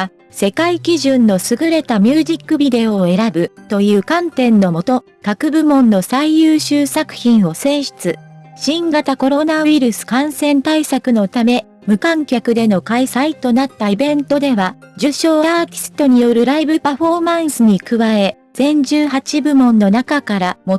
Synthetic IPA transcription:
se̞kaikʲiʑɨ̃nːo̞sɨɡɯ̟ɾe̞t̪amʲjɨːʑikːɯ̟bʲid̪e̞o̞ːe̞ɾabɯ̟t̪o̞jɯ̟ːkãnt̪ẽ̞nːo̞mo̞t̪o̞ | kakɯ̟bɯ̟mõ̞nːo̞saijɯːɕɨːsakɯ̟̥çĩɰ̃o̞sẽ̞ːɕi̥t͡sɨɕĩŋɡat̪ako̞ɾo̞naɯiɾɯ̟sɨ̥kãɰ̃sẽ̞nt̪aisakɯ̟no̞t̪ame̞ | mɯ̟kãŋkʲakɯ̟d̪e̞no̞kaisait̪o̞nat̪ːaibẽ̞nt̪o̞d̪e̞βad͡ʑɨɕo̞ːaːt̪ʲi̥sɨ̥t̪o̞ɲ̟ijo̞ɾɯ̟ɾaibɯ̟paɸo̞mãɰ̃sɨɲ̟ikɯ̟βae̞ | z̥ẽ̞ɲ̟d͡ʑɨːɦat͡ɕibɯ̟mõ̞nːo̞nakakaɾamo

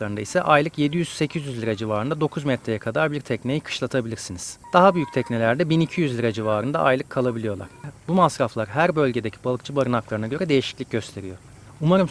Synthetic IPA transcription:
klˠaɾɯnd̪a̰isɛʔajlˠɯkje̞d̪ijyz̥se̞cʰizjyzlʲiɾad͡ʒivaːɾɯnd̪ad̪o̞kʰuzmɛt̪ʰɾejɛkʰad̪aɾbiɾt̪ʰɛcnejikʰɯ̥ʃlˠat̪ʰabilʲiɾsiniz̥d̪̥aɦabyjyc̚t̪ʰɛcnelʲæɾd̪ɛbinicʰijyzlʲiɾad͡ʒivaːɾɯnd̪a̰ʔa̰jlˠɯkʰːalˠabilʲijo̞lˠa̰ɾ̥bumasɾaflˠaɾɦæɾbø̞lʲɟe̞d̪ecʰi̥balˠɯkt͡ʃʰɯbaɾɯnaklˠaɾɯnaɟø̞ɾɛd̪ejiʃiclʲic̚ɟøst̪ʰe̞ɾijo | umaɾɯm

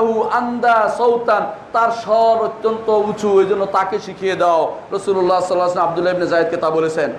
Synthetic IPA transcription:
ɦuand̪asowt̪ant̪aɾʃɔɾot̪ːont̪out͡ɕʰuejd͡ʑonːot̪akeʃikʰijed̪aoɾosulolːasɔlːaasemab̚d̪ulːaebnezaed̪̚ket̪abolet͡ɕʰen

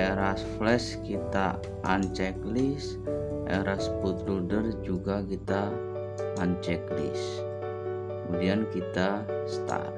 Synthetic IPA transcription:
ɛɾasflɛskit̪a | ʔant͡ʃɛklis | ʔɛ̰ɾasput̪ɾudərd͡ʒuɡakit̪aː | nt͡ʃɛklḭs | əəmudiankit̪ast̪a̰r

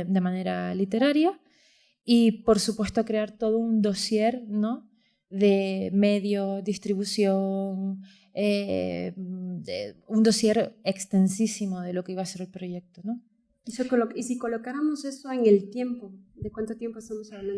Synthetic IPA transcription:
d̪e̞mãne̞ɾalit̪e̞ɾaɾja | ipo̞ɾsupwe̞st̪okɾe̞aɾt̪o̞ðound̪o̞sje̞ɾno̞ | ðe̞me̞ðjo̞ðist̪ɾiβusjo̞ŋ | e | eund̪o̞sje̞ɾekst̪e̞nsisimo̞ð̞e̞lo̞ke̞iβase̞ɾelpɾo̞ʝe̞k̚t̪o̞no | isokisikolokaɾamose̞so̞eŋelt̪je̞mpod̪ekwant̪ot̪je̞mpoest̪omosaanan

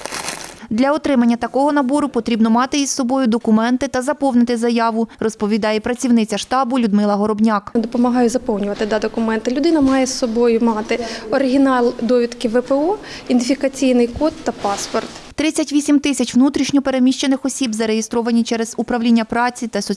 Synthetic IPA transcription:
d̪lʲɐɔt̪ɾɪmɐnʲːɐt̪ɐkɔɦɔnɐbɔɾʊpɔt̪ɾʲibnɔmɑt̪ɪissɔbɔjʊd̪ɔkʊmɛnt̪ɪt̪ɐzɐpɔwnɪt̪ɪzɐjɑʋʊrɔspɔʋʲid̪ɑjɛpɾɐt͡sʲiwnɪt͡sʲɐʃt̪ɑbʊlʲʊd̪mɪlˠɐɦɔɾɔbnʲɑkd̪ɔpɔmɐɦɑjʊzɐpɔwnʲʊʋɐt̪ɪd̪ɑd̪ɔkʊmɛnt̪ɐlʲʊd̪ɪnɐmɑjɛsːɔbɔjʊmɑt̪ɪɔɾɪɦʲinɑlʲˠd̪ɔʋʲid̪kɪʋɛpɛɔ | ind̪ʲɪfʲikɐt͡sʲijnɪjkɔt̪ːɐpɑspɔrt̪t̪ɾɪt͡sʲɐtʲʋʲisʲimt̪ɪsʲɐt͡ʃʋnut̪ɾʲiʃnʲɔpe̞ɾe̞mʲiʃt͡ʃenɪxɔsʲibzɐɾejist̪ɾɔʋɐnʲit͡ʃɛɾɛzʊpɾɐwlʲinʲːɐpɾɑt͡sʲit̪ɐsɔ

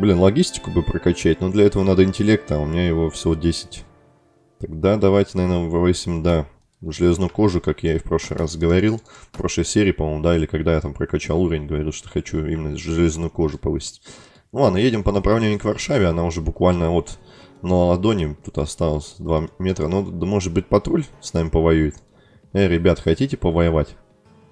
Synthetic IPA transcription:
blʲinlˠɐɡʲisʲtʲɪ̥kʊbɨpɾəkɐt͡ɕæt̚ʲnod̪lʲɐɛt̪əvənad̪əɪnʲtʲɪlʲe̞k̚t̪əaʊmʲɪnʲajɪvo̞fsʲodʲesʲɪ̥tʲ | t̪aɡd̪ad̪ɐvajtʲɪnɐvʲernəvɨvɨsʲɪmd̪a | ʐɨlʲeznuʊko̞ʐʊkakjaɪfpɾo̞ʂlˠɨ̰ɾʔa̰sɡəvɐɾʲilˠfpɾo̞ʂlˠəjsʲeɾʲɪːpɐmomʊd̪ailʲɪkɐɡd̪ajat̪ampɾəkɐt͡ɕalˠuɾʲəvʲɪnʲɡəvɐɾʲilˠʂt̪o̥xɐt͡ɕuḭmʲɪnːəʐɨlʲeznujʊko̞ʐʊpɐvɨsʲɪ̥tʲ | nʊanəjedʲɪmpənəpɾɐvlʲenʲːɪʊkvɐrʂavʲɪɐnaʊʐɛbʊkvalʲnəot̪nəlˠəlˠɐd̪o̞nʲɪt̪ut̪ɐst̪alˠəsʲd̪vamʲe̞t̪ɾənod̪əmo̞ʐɨt̪̚bɨt̚ʲpɐt̪ɾolʲsnamʲɪpəvɐjujɪt̪ | aɾʲɪbʲat̪xɐtʲitʲɪpəvəjɪvatʲ

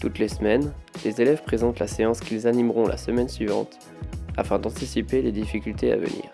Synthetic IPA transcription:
t̪ut̪lesmɛnlezelɛvpχezɑ̃t̪laseɑ̃skʲilzanimʁɔ̃lʔa̰səmɛnsɥivɑ̰̃t̪ | a̰fɛ̃d̪ɑ̃t̪isipeled̪ifikʲylt̪ea̰və̰nḭːʁ

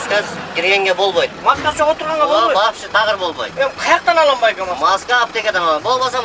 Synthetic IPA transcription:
skazkʲʰɪɾɡʲe̞ŋɡʲebo̞lˠbojt̪mɑskɑst͡ʃʰoʁot̪əɾʁɑɴʁɑboɑpʃɪt̪ʰɑʁəɾbo̞lˠbo̰jd̪menqʰɑjɑq̚t̪ɑnɑlˠɑmbɑjkomɑmɑskaːp̚t̪ekʲed̪ɑnlˠɑbo̞lˠmɑsɑ

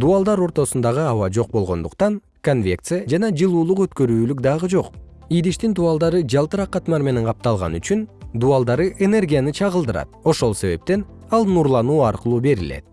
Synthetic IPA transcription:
d̪uɑlˠd̪ɑɾo̞ɾt̪o̞sund̪ɑʁɯɑwɑd͡ʒo̞q̚bo̞lˠʁo̞nd̪uqt̪ɑn | konvʲe̞kt̪sɨjad͡ʒɑnɑd͡ʒɯlˠuːlˠuqø̞t̪kø̞ɾyːlykd̪ɑʁɯd͡ʒo̞q | ijd̪iʃt̪ind̪uɑlˠd̪ɑɾɯd͡ʒɑlˠt̪ɯɾɑqːɑt̪mɑɾme̞ne̞ɴqʰɑp̚t̪ɑlˠʁɑ̰nyt͡ʃynd̪uɑlˠd̪ɑɾɯʔene̞rɡʲijanɯt͡ʃʰɑʁɯlˠd̪ɯɾɑ̰t̪̚o̞ʃo̞lˠse̞βe̞̰p̚t̪e̞n | ɑlˠnuɾlˠɑnuːɑɾqɯlˠuːbe̞ɾile̞̰t̪̚

